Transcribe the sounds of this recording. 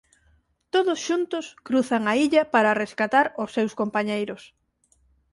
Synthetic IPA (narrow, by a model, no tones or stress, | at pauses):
t̪oðʊsʃunt̪ʊskɾuθɐŋɐiʎɐpaɾɐreskat̪aɾʊsːewskompaɲejɾʊs